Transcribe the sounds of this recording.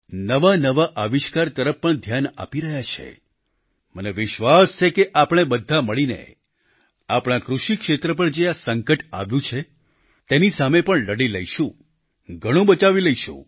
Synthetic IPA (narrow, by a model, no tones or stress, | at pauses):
nəʋanəʋaʔəʋiʃkaɾt̪əɾəppːəɳd̪ʱjana̰piɾəɦjat͡ʃʰḛ | məneʋɪʃʋast͡ʃʰekeʔapɽ̃ebəd̪ʱːaməɭinḛ | apɽ̃ãkɾuʃikʃet̪ɾəp̬əɳd͡ʒeasəŋkəʈa̰ʋjũt͡ʃʰe | t̪enisamepəɳləɽiləjʃũ | ɡʱəɽ̃ũbət͡ʃaʋiləiʃṵ̃